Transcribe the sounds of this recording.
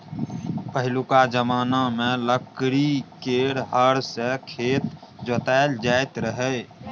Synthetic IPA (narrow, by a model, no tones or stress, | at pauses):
pəɦɪlukad͡ʒəmaːnamẽləkɾikeɽɦəɾsekʰet̪ | d͡ʒət̪aeld͡ʒaet̪ɾəɦɛ